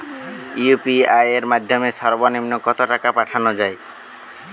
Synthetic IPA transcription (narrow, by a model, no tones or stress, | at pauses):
iupiajeɾmad̪ʱjɔmesɔɾbɔnimnokɔt̪oʈakapaʈʰanɔd͡ʒae